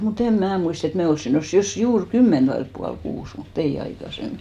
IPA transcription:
mut em mnæː muist et me olsːin nosːu jos juːr kymːent ʋɑilĕp puɑlkuːs mut ei ɑikɑsemːi

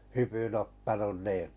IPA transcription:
hypyn otːɑnun niː

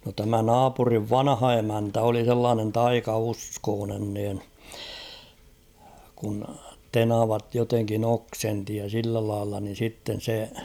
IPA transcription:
no tæmæ nɑːpuriʋ ʋɑnɑ̆hɑ emæntæ oli selːɑːnen tɑikɑuskoːnen niːn kun tenɑʋɑt joteŋkin oksenti jɑ silːæ lɑilːɑ nin̞ sitːen̞ se

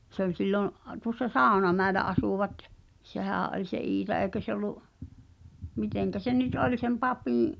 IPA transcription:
se ol silːoʔ tuŏsːɑ sɑˑu̞nɑmæelæ ɑsuˑʋɑt sehæˑʔ ʔolʲ se iːtɑ eˑi̞kø se olˑuʔ miteŋkæ se nyt olʲ sem pɑpĩːʔ

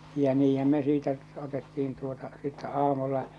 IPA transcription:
jæ niːhæm me siːtæ otetːiin tuotɑ sitːæ ɑːmulːɑ

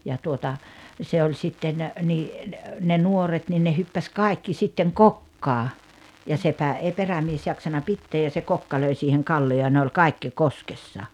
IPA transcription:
jɑ tuotɑ se olʲ sitːen niː ne ne nuoret nin ne hypːæs kɑˑikːi sitːeŋ kokːɑː jɑ sepæ eˑi peræmies jɑksɑnɑ pitːeːj jɑ se kokːɑ løi siːheŋ kɑlːioː jɑ ne olʲ kɑˑikːi koskesːɑ

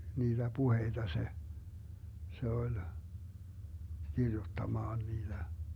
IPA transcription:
niːd̥æ puheid̥ɑ se se olʲ kirjutːɑmɑːn niːd̥æ

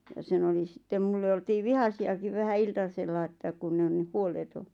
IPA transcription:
jɑ sen oli sĭtːem mulːe oltiː ʋihɑsiɑkiʋ ʋæhæ iltɑselːɑ ĕ tːæ kun on nih huoleto

